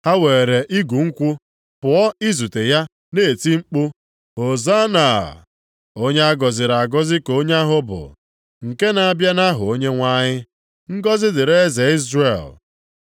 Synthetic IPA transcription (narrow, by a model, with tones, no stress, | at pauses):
ha˦we˨e˨ɾe˨ʔi˦ɡu˨ŋ̩˦kʷʊ˦ | pʊ˨ɔ˦i˦zu˨te˨ja˦ | ne˦e˨ti˦ŋ͡m̩˦k͡pʊ˦ | o˨za˦na˨ | o˦ɲe˦a˦ɡɔ˨zɪ˨ɾa˨ɡɔ˦zɪ˦ko˦ɲ˦a˦ɦʊ˦bʊ̰˨ | ŋ̩˨ke˦na˨a˨bja˦na˦ɦʊ˨o˦ɲe˦ŋʷa˦ɲɪ˦ | ŋ̩˦ɡɔ˦zɪ˦dɪ˨ɾe˦ze˨i˦zrḛ˨l